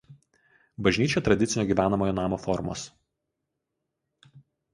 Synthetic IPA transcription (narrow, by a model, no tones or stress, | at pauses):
bɐʒʲnʲiːt͡ʃʲoːt̪ɾɐd̪ʲɪsʲɪnʲoːɡʲiːˑʋʲæːnɐmoːjoːnɑːmoːfɔɾmo̰ːs